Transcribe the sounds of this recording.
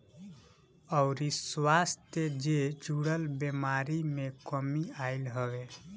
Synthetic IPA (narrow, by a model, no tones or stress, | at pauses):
əʊɾiswast̪ed͡ʒed͡ʒʱuɽəlbemaɾimekəmiaɪlɦəwe